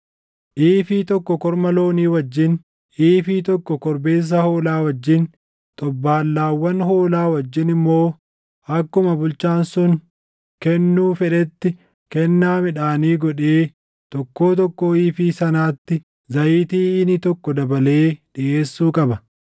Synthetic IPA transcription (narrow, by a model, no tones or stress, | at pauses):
ʔiːfiːt̪ɔkːɔkɔɾmɐlo̞ːniːwɐd͡ʒːɪn | ʔiːfiːt̪ɔkːɔkɔɾbe̞ːs̬ːɐho̞ːlaːwɐd͡ʒːɪn | t̪ʼɔbːaːlːaːwːɐnho̞ːlaːwɐd͡ʒːɪnɪmːo̞ː | ɐkːʊmɐbʊlt͡ʃaːnsʊŋ | kɛnːuːfɛᶑɛt̪ːɪ | kɛnːaːmɪᶑaːniːɡɔᶑeː | t̪ɔkːoːt̪̬ɔkːoiːfiːsɐnaːt̪ːɪ | zɐjiːt̪iːɪnɪt̪ɔkːɔd̪ɐbɐle̞ːᶑɪʔeːsːuːkʼɐbɐ